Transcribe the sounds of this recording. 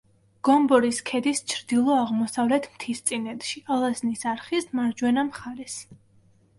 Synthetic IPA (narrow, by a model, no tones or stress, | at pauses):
ɡ̥ɔmbɔɾiskʰɛd̪ist͡ʃʰɾd̪ilˠɔaʁmɔsavlɛt̪ʰmt̪ʰist̪sʼinɛd̪ʃialˠaznisaɾχismaɾd͡ʒwɛnamχaɾɛs